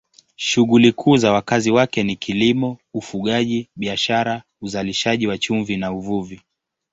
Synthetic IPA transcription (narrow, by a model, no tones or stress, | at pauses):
ʃuɣulikʰuːzawakaziwakɛnikʰilimɔufuɠaʄiɓiaʃaɾa | uzaliʃaʄiwat͡ʃuɱvinauvuvi